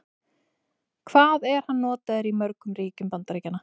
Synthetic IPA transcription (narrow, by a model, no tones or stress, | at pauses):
kʰvaːðɛɾ̥hanːɔːt̪aðɛɾimœɾkʏmɾiːcʏmpant̪ɾeːjcanːa